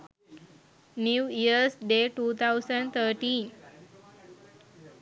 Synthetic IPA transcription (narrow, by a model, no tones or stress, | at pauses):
njuːiəɾsɖeʈut̪ʰawsəɳɖt̪ʰəɾʈĩn